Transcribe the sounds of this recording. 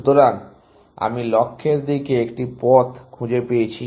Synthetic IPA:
t̪oɾan | a̰milɔkʰːeɾd̪ikeekʈipɔt̪kʰũd͡ʑepejet͡ɕʰi

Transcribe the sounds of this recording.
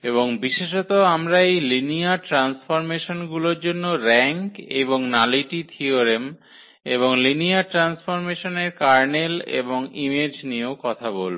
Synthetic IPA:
eβoŋbiʃeʃɔt̪oamɾaejliniaɾʈɾansfoɾmeʃonɡuloɾd͡ʑonːoɾɛŋkeboŋnaliʈit̪ʰioɾem | eβoŋliniaɾʈɾansfoɾmeʃoneɾkaɾnelḛboŋimed͡ʑniokɔt̪ʰabolbo

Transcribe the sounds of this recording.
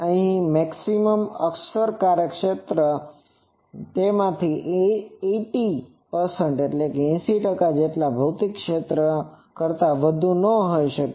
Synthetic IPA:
əɦĩmɛksiməməksəɾkaɾjəkʃet̪ɾə | t̪emãt̪ʰiʔeeʈi | pəɾsəɳʈeʈlekeɛ̃siʈəkad͡ʒeʈlabʱəwt̪ikːʃet̪ɾə | kəɾt̪aʋəd̪ʱũnəɦojʃək

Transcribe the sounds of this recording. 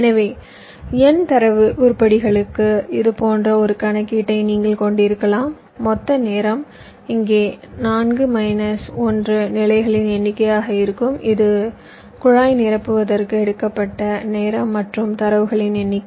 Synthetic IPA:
ɛnɐʋeː | ɛnt̪ɐɾɐʋɯʔʊɾpːɐɽɪɣɐɭɯkːɯɪðɯpoːndrɐɔɾɯkɐɳɐkːiːʈːɐɪniːŋɡɐɭkɔɳɖɪɾɯkːɐɭaːmː | ɔt̪ːɐneːɾɐm | ɪŋɡeːnaːnɡɯmɐɪnɐsɔndrɯnɪlɐɪɣɐɭɪnɛnːɪkːɐjaːɣɐɪɾɯkːɯmɪðɯ | kʊɻaːjnɪɾɐpːɯʋɐðɐrkɯɛɽɯkːɐpːɐʈːɐneːɾɐmːɐʈrɯmt̪ɐɾɐʋɯɣɐɭɪnɛnːɪkː

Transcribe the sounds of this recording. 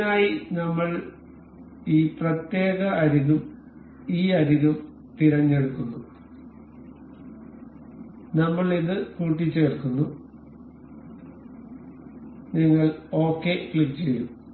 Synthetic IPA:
aːjinɐmːɐɭ | iːprɐt̪je̞ːɣɐːɾiɣum | iːɐɾiɣɐm | t̪iɾɐɲːe̞ɽukːunːu | nɐmːɐɭiðɨkuːʈ̬ːit͡ɕːe̞ːrkːunːu | niŋːɐɭo̞ːkːe̞kɭikːt͡ɕe̞jum

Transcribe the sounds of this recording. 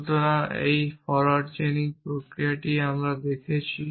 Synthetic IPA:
t̪onaḛjfɔɾaʈt͡ɕeniŋpɾokɾijaʈiamɾad̪ekʰet͡ɕʰi

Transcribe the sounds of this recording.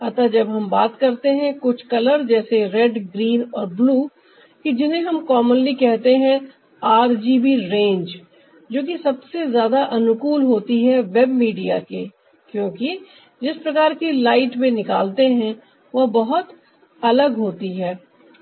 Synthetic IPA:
ɐt̪ad͡ʒɐbɦɐmbaːt̪kɐɾt̪eɦɛ̃kʊt͡ʃʰkɐləɾd͡ʒɛːseɾɛːɖɡɾiːnɔːɾbluː | kid͡ʒɪnẽɦɐmkɔːmənlikɛɦt̪eɦɛ̃ | aːɾd͡ʒiːbiɾẽːnd͡ʒ | d͡ʒoːkisɐbsezjaːd̪aʔɐnʊkuːlɦoːt̪iɦɛʋɛbmiːɖija̰ke | kjõːki | d͡ʒɪspɾɐkaːɾkilaːɪʈmẽnɪka̰ːlt̪eɦɛ̃ | ʋɐbɐɦʊt̪ | ɐləɡɦoːt̪iɦɛː

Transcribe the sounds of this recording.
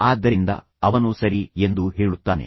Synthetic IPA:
aːd̪ːɐɾind̪ɐ̰ | ɐʋɐnusɐɾie̞nd̪uɦeːɭut̪ːaːne̞̰

